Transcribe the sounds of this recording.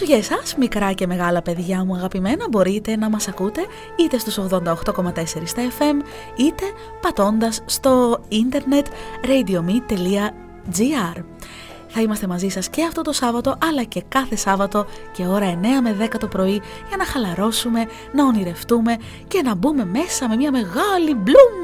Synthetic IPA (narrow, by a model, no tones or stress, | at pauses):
ʝesɐsmikɾɐce̞me̞ɣɐlɐpe̞ðʝɐmuɐɣɐpime̞nɐbo̞ɾit̪e̞nɐmɐsɐkut̪e̞ | it̪e̞st̪uso̞ɣðo̞nd̪ɐoxt̪o̞ko̞mɐt̪e̞se̞ɾist̪ɐefe̞m | it̪e̞ | pɐt̪o̞nd̪ɐsːt̪o̞ind̪e̞ɾne̞t̪ɾejd̪io̞mit̪ːe̞liɐ | d͡ziɐɾ | θɐimɐst̪e̞mɐzisɐsce̞ɐft̪o̞t̪o̞sɐvɐt̪o̞ʔɐlɐce̞kɐθe̞sɐvɐt̪o̞ce̞o̞ɾɐe̞ne̞ɐme̞ðe̞kɐt̪o̞pɾo̞i | ʝɐnɐxɐlɐɾo̞sume̞ | nɐoniɾe̞ft̪ume̞ | ce̞nɐbume̞me̞sɐme̞miɐme̞ɣɐliblum